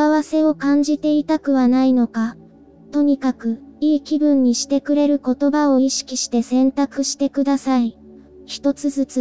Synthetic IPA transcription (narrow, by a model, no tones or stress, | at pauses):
aβase̞o̞kãɲ̟d͡ʑit̪e̞it̪akɯ̟βanaino̞ka | t̪o̞ɲ̟ikakɯ̟iːkʲibɯ̟̃ɲ̟ːiɕi̥t̪e̞kɯ̟ɾe̞ɾɯ̟ko̞t̪o̞bao̞iɕi̥kʲiɕi̥t̪e̞sẽ̞nt̪akɯ̟ɕi̥t̪e̞kɯ̟d̪asai | çi̥t̪o̞t͡sɨzɨt͡sɨ